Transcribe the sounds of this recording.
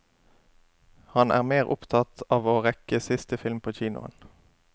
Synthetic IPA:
hɑnʔæ̰ːʁmeːʁʔʊpt̪ʰɑt̪ɑːʋoːʁɛkəsɪst̪əfɪlmpʰoːçiːnʊ̰ə̰n

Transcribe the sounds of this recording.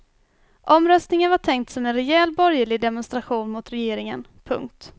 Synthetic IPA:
ʔɔmɾœst̪nɪŋənvaʈʰɛŋkt̪sɔmɛnɾɛjɛːlbɔɾjəɭɪd̪ɛmɔnst̪ɾaɧuːnmʊt̪ɾɛjeːɾɪŋən | pʰɵ̰ŋkt̪

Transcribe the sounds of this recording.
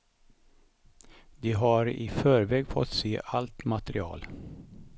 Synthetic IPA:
d̪ɪɦaɾɪ̰fœːɾvɛːɡfɔ̰t̪ːseːʔalt̪mat̪əɾɪɑ̰ːl

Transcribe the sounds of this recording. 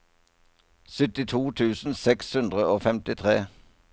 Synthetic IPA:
sʏt̪ɪt̪ʰuːt̪ʰʉːsn̩sɛkshʉnd̪ʁəoːfɛmt̪ɪt̪ʰʁeː

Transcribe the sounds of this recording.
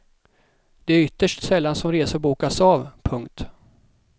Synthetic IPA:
d̪̥ɛæɾʏt̪ːəʂʈsɛlːansɔmɾeːsəɾbuːkasɑːvpʰɵŋkt̪

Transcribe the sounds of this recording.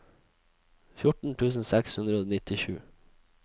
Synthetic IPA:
fjʊʈɳ̩t̪ʰʉːsn̩sɛkshʉnd̪ɾəoːnɪt̪ɪʃʉ̰ː

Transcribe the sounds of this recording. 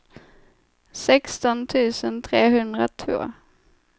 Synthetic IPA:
sɛkst̪ɔnt̪ʰʉ̟ːsənt̪ʰɾeːɦɵnd̪ɾat̪ʰvo̰ː

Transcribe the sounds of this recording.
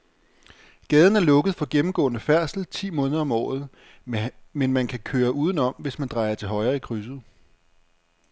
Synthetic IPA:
ɡ̥ɛːð̞ˠn̩æɐlɔ̽ɡ̥ð̩ˠfɒ̽ɡ̥emm̩ɡ̥ɔ̰̽ːnəfæɐ̰sl̩t͡sʰḭːmɔ̽ːnð̞ˠɐɒ̽mɒ̰ːð̞̩ˠ | menmænkʰækʰøːɐʔuːð̞ˠn̩ɒ̽m̰ʋe̝smænd̥ʁɑ̈ɪɐt͡sʰe̝lɦɒ̽ɪɐikʰʁys̬ð̩ˠ

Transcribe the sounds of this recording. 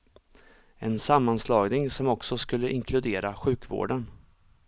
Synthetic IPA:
ɛnsamːanslɑːɡnɪŋsɔmɔksɔskɵlːəʔɪŋkʰlɵd̪eːɾaɧʉ̟ːkvo̰ːɖən

